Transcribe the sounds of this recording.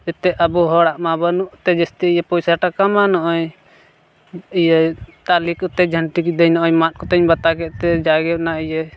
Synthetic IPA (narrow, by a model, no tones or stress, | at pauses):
ɛt̪ɛʔəbuɦɔɽaʔmabənuʔt̪ɛd͡ʒɛst̪ɛijɛpɔjsaʈakamanɔʔɔj | ijɛt̪alikɔt̪ɛd͡ʒʱəɳʈikid̪ɛɲnɔʔɔmat̪̚kɔt̪ɛɲbat̪akɛʔt̪ɛd͡ʒaɡɛnaijɛ